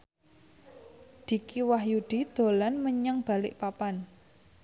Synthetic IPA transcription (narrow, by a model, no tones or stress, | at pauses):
d̪̥i̤kiwahjuɖ̪̥i̤d̪̥o̤lanməɲaŋb̥a̤lɪʔpapan